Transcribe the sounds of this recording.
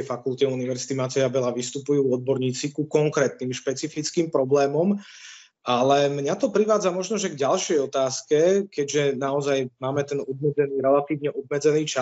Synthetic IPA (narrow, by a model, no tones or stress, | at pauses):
fakult̪ɛuniʋɛɾzit̪imat̪ɛjabɛlaʋist̪upujuːɔd̪̚bɔɾɲiːt͡sikukɔŋkɾɛːt̪̚niːmʃpɛt͡sifit͡skiːmpɾɔblɛːmɔm | ʔalɛmɲat̪ɔpɾiʋaːd͡zamɔʒnɔʒɛɡɟalʃɪɛjɔt̪aːskɛkɛɟʒɛnaɔzajmaːmɛt̪ɛnɔb̪mɛd͡zɛniːɾɛlat̪iːʋɲɛʔɔb̪mɛd͡zɛniːt͡ʃa